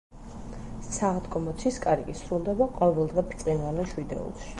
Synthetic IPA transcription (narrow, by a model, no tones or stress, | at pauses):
saʁd̪ɡʼɔmɔt̪sʰiskʼaɾikʼisɾulˠd̪ɛbaqʼɔvɛlˠd̪ʁɛpʰt̪sʼinvanɛʃwid̪ɛ̰ṵlˠʃi̥